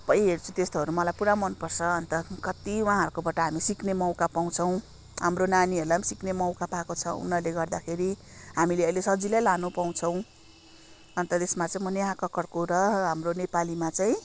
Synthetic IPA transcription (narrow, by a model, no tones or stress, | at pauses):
pʌj̃ɦert͡sʰu̥t̪est̪oɦʌɾumʌlajpuɾamʌnpʌrt͡sʰʌʌnt̪ʌkʌt̪iwaãɦʌɾkobaʈʌɦamisiknemʌw̃kapaw̃t͡sʰʌw̃ | ɦamronaniʌɾulamsiknemʌw̃kapakot͡sʰʌ̰ṵnːʌrleɡʌrd̪akʰeɾi | ɦamileʌjlesʌd͡zilajlanupaw̃t͡sʰʌw̃ | ʌnt̪ʌt̪esmat͡saĩmʌneɦãkʌkʌrkoɾʌɦamronepalimat͡saĩ